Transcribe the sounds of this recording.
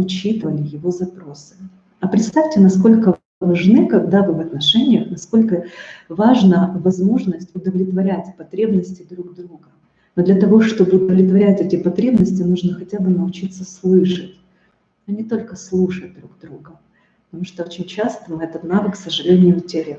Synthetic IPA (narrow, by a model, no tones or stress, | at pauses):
ʊt͡ɕit̪ɨvəlʲɪjɪvo̞zɐpɾo̞sɨ̥ | ɐpɾʲɪt̪st̪afʲtʲɪnɐsko̞lʲkə | vɐʐnɨkɐɡ̚d̪avɨvɐt̪nɐʂɛnʲɪjəxnɐsko̞lʲkəvaʐnəvɐzmo̞ʐnəsʲtʲʊd̪əvlʲɪt̪vɐɾʲætʲpɐt̪ɾʲe̞bnəsʲtʲɪd̪ɾuɡd̪ɾuɡə | nod̪lʲɐt̪ɐvo̞ʂt̪o̞bɨʊd̪əvlʲɪt̪vɐɾʲætʲɛtʲɪpɐt̪ɾʲe̞bnəsʲtʲɪnuʐnəxɐtʲabɨnəʊt͡ɕit̪səslˠɨʂətʲ | ɐnʲɪt̪o̞lʲkəslˠuʂət̚d̪ɾuɡd̪ɾuɡə | pət̪ɐmuʂt̪oot͡ɕɪnʲt͡ɕast̪əmɨɛt̪ət̪navɨksəʐɨlʲenʲɪjʊʊtʲeɾʲɪ